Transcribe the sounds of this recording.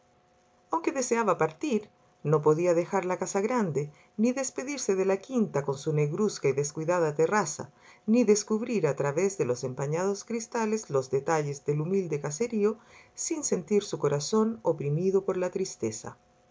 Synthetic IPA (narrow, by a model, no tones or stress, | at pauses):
awŋke̞ðe̞seaβapaɾt̪iɾ | no̞p̬o̞ðiaðe̞xaɾlakasaɣɾand̪e | niðe̞spe̞ðiɾse̞ðelakint̪ako̞nsune̞ɣɾuskaiðe̞skwiðaðat̪erasa̰niðe̞skuβɾiɾat̪ɾaβezðelose̞mpaɲaðoskɾist̪alezlozðet̪aʝezðe̞lumild̪ekase̞ɾio̞sinse̞nt̪iɾsuko̞ɾaso̞nopɾimiðopo̞ɾlat̪ɾist̪esa̰